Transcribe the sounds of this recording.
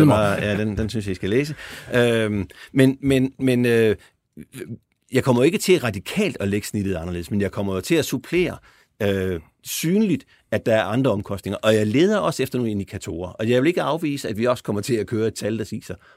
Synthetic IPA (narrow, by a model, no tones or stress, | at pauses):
jæd̥end̥ensynsjɑisɡ̥æleːs̬əømenmenmenø | jɑ̈ɪkʰɒ̽m̰ɐjoe̝ɡ̥ət͡sʰe̝læʁɑ̈d̥ikʰɛ̰ːld̥ɒ̽leɡ̥əsnid̥ð̩ˠɑ̈nɐle̝ð̩ˠsmenjɑ̈ɪkʰɒ̽m̰ɐjo̝t͡sʰe̝læsupʰle̝̰ːɐ | ø | syːnlid̥ | æd̥ɑ̈æɐʔɑ̈nd̥ʁɐɒ̽mkʰɒ̽sd̥ne̝ŋɐʔɒ̽jɑ̈ɪle̝ːð̞ˠɐʔɒ̽sefd̥ɐno̝ːne̝nd̥ikʰæt͡sʰo̝̰ːɐʔɒ̽jɑ̈ɪʋe̝le̝ɡ̥əɑ̈ʊʋḭːsəæd̥ʋiɒ̽skʰɒ̽m̰ɐt͡sʰe̝lækʰøːɐe̝d̥̚t͡sʰæld̥ɑsḭːsɐ